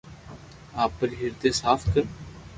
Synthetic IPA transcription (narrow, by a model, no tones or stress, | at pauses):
aːpːəɾiɦɪɾd̪eːsaːfʰkəɾ